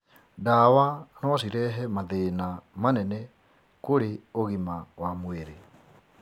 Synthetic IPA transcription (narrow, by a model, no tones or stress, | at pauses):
dawanɔɔʃiɾɛɦɛmaðeːnamanɛnɛ | koɾeoɣimawamweɾe